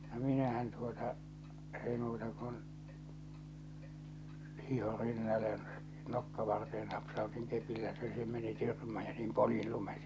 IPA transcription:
no minæhæn tuotɑ eˑi muːtɑ kun hiho rinːɑle jɑ nokːɑʋɑrteːn nɑpsɑotiŋ kepilːæ se se meni tyrmæː jɑ niːm poljil lumen

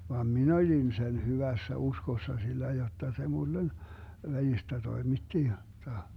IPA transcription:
ʋɑm min olʲin sen hyʋæsːæ uskosːɑ silːæ jotːɑ se mulːen ʋælistæ toimitːi jotːɑ

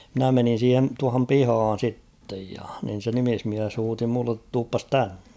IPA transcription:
mɪ̆næ menin̞ siːhen̞ tuɑhom pihɑːn̞ sitːej jɑ nin̞ se nimismiæs huːti mulːet tuːpːɑs tænːe̥

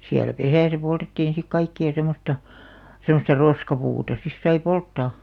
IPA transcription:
siælæ̆ pesæˑsæ poltetːiːn̞ sik kɑikːiɑ semostɑ semostɑ roskɑpuːtɑ sis sɑi poltːɑˑ

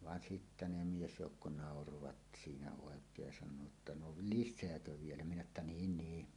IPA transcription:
ʋɑn sitːæ ne miesjoukːo nɑˑoroʋɑt siːnæ oˑekˑeːj jɑ sɑnˑoː tːɑ no liʃseækø ʋielæ minæ etːæ niːn niː

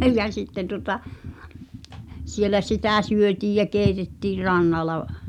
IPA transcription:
jɑ sitːen̆ tuŏtɑ sielæ sitæˑ syøtiːj jæ keˑitetːiːr rɑnːɑlɑ

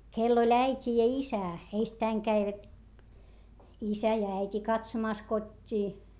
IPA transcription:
kelː olʲ æitʲi jɑ isæ eistæiŋ kæiʋæt isæ jɑ æitʲi kɑtsomɑˑs kotʲːiː

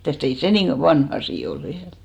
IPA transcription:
mitæˑst ei se nin̞ ʋɑnh ɑsiˑ ol ʋiæl

